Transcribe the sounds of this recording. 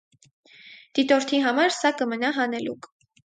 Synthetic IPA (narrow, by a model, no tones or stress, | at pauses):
d̪̥it̪ɔɾt̪ʰiɦɑmɑɾsɑkəmənɑɦɑnɛluk